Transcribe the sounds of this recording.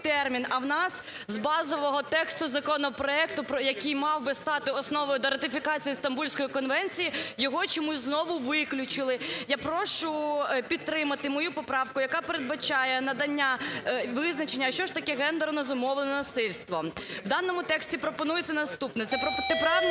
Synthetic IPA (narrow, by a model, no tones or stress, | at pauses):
t̪ɛrmʲinɐwnɑs | zbɑzɔʋɔɦɔt̪ɛkst̪ʊzɐkɔnɔpɾɔɛkt̪ʊpjɐkijmɑwbɪst̪ɑt̪ɪɔsnɔʋɪd̪ɔɾɐt̪ɪfʲikɑt͡sʲijist̪ɐmbulʲsʲkɔjikɔnʋɛnʲt͡sʲijijɔɦɔt͡ʃɔmuznɔʋʊʋɪklʲʊt͡ʃɪlˠɪjapɾɔʃʊpʲid̪̚t̪ɾɪmɐt̪ɪmɔjupɔpɾɑwkʊjɐkɑpeɾed̪̚bɐt͡ʃɑjɛnɐd̪ɐnʲːaʋɪznɐt͡ʃenʲːɐʃt͡ʃɔʃt̪ɐkɛɦɛnd̪ernɔzʊmɔʋlˠnɛnɐsɪlʲst̪ʋɔwd̪ɑnːɔmʊt̪ɛksʲtʲipɾɔpɔnujet͡sʲːɐnɐst̪upnɛt̪sɛt̪ɛpɾɑ